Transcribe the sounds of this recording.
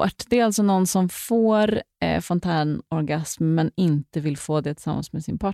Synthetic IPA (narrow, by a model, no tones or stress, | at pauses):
a̰ʈːd̪ɛæɾalt̪sɔnɔnːsɔmfoːɾfɔnt̪ʰæːɳɔɾɡasmːɛnɪnt̪əvɪlfoːd̪ɛt̪ʰɪ̥lsamːa̰nsmɛsɪnpʰɑ